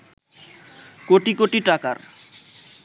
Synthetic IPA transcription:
koʈikoʈiʈakaɾ

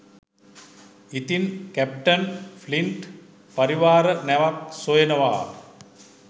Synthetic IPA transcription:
it̪inkæp̚ʈənfʰliɳʈ | paɾiʋaːɾənɛʋak̚sojənəʋa̰ː

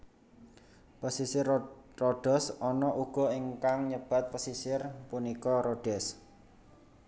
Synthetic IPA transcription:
pəsisɪrroɖ̥ɛ̤sɔnɔʔuɡ̥ɔ̤iŋkaŋɲəb̥a̤t̪̚pəsisɪrpunikɔɾoɖ̥ɛs

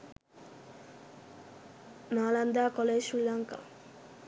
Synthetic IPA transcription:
naːlɐnd̪aːkɔleːʃɾilaŋka̰

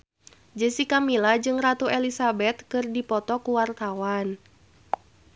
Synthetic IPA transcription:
d͡ʒəsikamilad͡ʒɨŋrat̪uɛlisabɛt̪kɨrdipɔt̪ɔkuwart̪awan

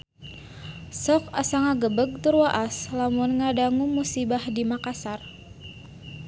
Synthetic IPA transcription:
sɔkasaŋaɡəbəɡ̚t̪urwaʔaslamʊnŋadaŋumusibahdimakasar

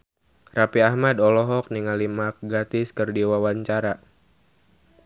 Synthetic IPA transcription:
rapiahmadɔlɔɦɔk̚niŋalimak̚ɡat̪ɪskɨrdiwawaɲt͡ʃaɾa

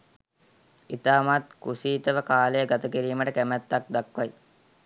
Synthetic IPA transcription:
it̪aːmat̪kusiːt̪əʋəkaːlejəɡat̪əkiɾiːməʈəkæmæt̪ːak̚d̪akʋaj

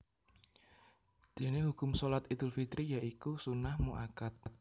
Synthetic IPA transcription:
d̪̥e̤nehukʊmsolat̪id̪̥ʊlfit̪ɾijaʔikusunahmuʔakat̪̚t̪̚

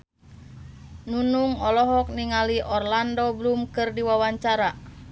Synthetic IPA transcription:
nunuŋɔlɔɦɔk̚niŋaliʔɔrlandɔblumkɨrdiwawaɲt͡ʃaɾa

